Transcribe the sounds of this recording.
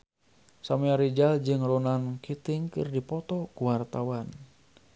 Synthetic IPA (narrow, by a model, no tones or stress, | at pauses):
sameaɾid͡ʒald͡ʒɨŋrɔnankit̪iŋkɨrdipɔt̪ɔkuwart̪awan